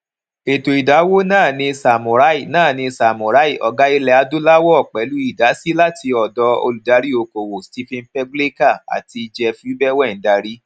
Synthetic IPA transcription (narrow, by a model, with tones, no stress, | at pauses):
e˨to˨i˨da˨˦wo˦nãː˦˨nĩ˧sa˨mũ˨ɾa˨˦i˦˨nãː˦˨nĩ˧sa˨mũ˨ɾa˨˦i˦˨ʔɔ˨ɡa˨˦i˧lɛ˧a˧˦du˦la˦wɔ˦ɔ˦˨k͡pɛ˨˦lu˦i˦˨da˨˦si˦la˦ti˧ɔ˨dɔ˧o̰˧lu˨da˨˧˦ɾi˦o˧ko˨wo˨sti˧fĩ˧n̩˦pɛ˦ɡle˦ka˦˨a̰˨ti˧i˧d͡ʒɛ˧fi˧˦u˦bɛ˦wɛ˦˨˦da˧ɾi˦